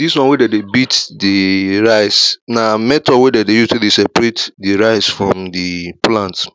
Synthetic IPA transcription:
diswɔ̃nwedɛdebitdiɹaɪsnamɛtɔwɛdɛdejustulisɛpɹetdiɹaɪsfɹɔ̃mdiplãnt

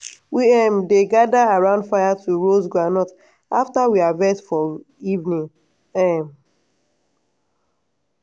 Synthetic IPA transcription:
wiɛmdeɡadaaɹãʊ̃ndfaɪjatʰuɹozɡɹanɔt | aftawiavɛtfɔ | ivnĩŋ | ɛm

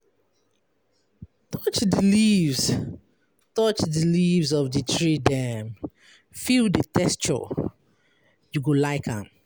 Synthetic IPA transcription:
tʰɔt͡ʃdəlivs | tɔt͡ʃdilivzɔvditʰɹidɛ̃m | fildətʰɛst͡ʃɔ̰ | juɡolaɪkã̰m

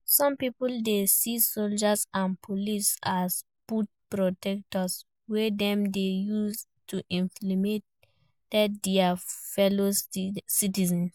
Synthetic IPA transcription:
sɔ̃mpipuldesisold͡ʒasãnpʰolisas | put̚pɹotɛk̚tɔs | wɛdɛ̃mdejus | tuʔĩnflimet | tɛtdɛafɛlositizɛ̃n

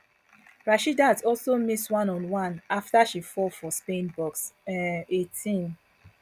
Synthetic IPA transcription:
ɹaʃidatɔlsomiswãnɔ̃nwãnaftaʃifɔfɔspẽnbɔks | etʰĩn

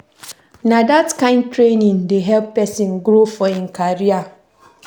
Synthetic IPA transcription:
nãdatkãɪ̃nd̚tʰɾenĩŋdeɦɛlppːɛsĩnɡɾofɔĩnkʰaɾia

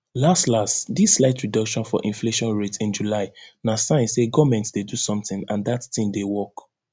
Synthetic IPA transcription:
lastlastdislaɪtʰɹidɔkʃɔ̃nfɔ̰ʔĩnfleʃɔ̃nɹetĩnd͡ʒulaɪnasãɪ̃nseɡɔmɛ̃ntdedusɔ̃mtɪ̃ŋãndattĩmdewɔk

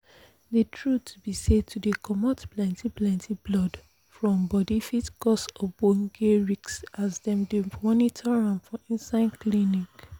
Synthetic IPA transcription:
detʰɹutʰubised̚tʰudekʰɔmɔtplɛ̃ntʰĩplɛ̃ntʰĩblɔd | fɹɔ̃mbɔdifitkɔsɔbõŋɡeɹiksazdɛ̃mdemɔnitʰɔɹãnfɔʔĩnsãɪ̃nklinik

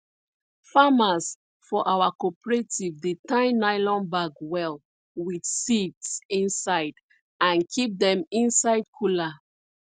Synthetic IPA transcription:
famas | fɔʔawakɔpɹetivdetãɪnaɪlɔ̃nbaɡwɛl | widsitsĩnsaɪd | ãnkʰip̚dɛ̃mĩnsaɪjd̚kʰula

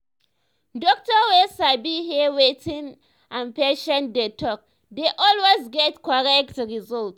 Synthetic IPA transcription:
dɔk̚tɔwesabiɦiwetĩn | ʔãnpeʃɛ̃ndetʰɔk̚ | deʔɔlwesɡɛtkɔɹɛk̚tɹizɔlt

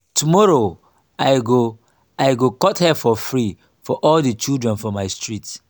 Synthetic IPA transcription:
tumɔɹo | aɪɡo | aɪɡokɔthɛfɔfɹi | fɔʔɔldit͡ʃidɹɛ̃nfɔ̃maɪstɹit

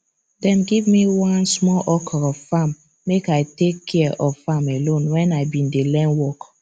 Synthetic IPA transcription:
dɛ̃mɡivmiwãnsmɔlʔɔkʰɔɔvfamː | ekaɪtekʰːɛʔɔvfamelõnwɛ̃naɪbĩndelɛ̃nwɔk

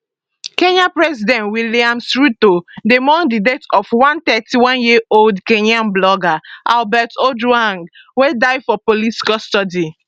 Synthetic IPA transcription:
kẽɲapɹɛzidɛ̃ntwiliãmsɹitodemɔ̃ŋdidetɔfwãnt̪ɛtiwãnjiʔoldkenãmblɔɡaʔalbɛtoduãŋ | wedaɪfɔpoliti̥kɔstɔdi

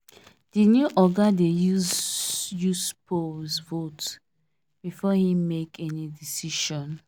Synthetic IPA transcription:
d̥injuʔɔɡadeju | juspʰosvot | b̥ifɔhĩmekʰɛnidisiʃɔ̃n

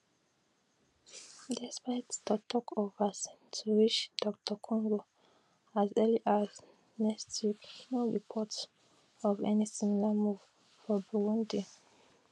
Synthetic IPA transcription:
dɛspaɪtdətʰɔkʰɔvas | tʰuɹit͡ʃd̥ɔk̚tʰəkʰɔ̃ŋɡo | azɛliʔaz | nɛkstʰjiknoɹipʰɔt | ɔvɛ̰nisimilamuv̥ | fɔbuɹũndi

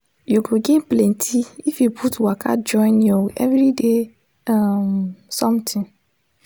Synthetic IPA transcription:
juɡoɡẽnplɛ̃ntʰiifjupʰutwakʰa̰d͡ʒɔ̃ɪ̃njoɛvɾide | amsɔ̃mtʰĩn

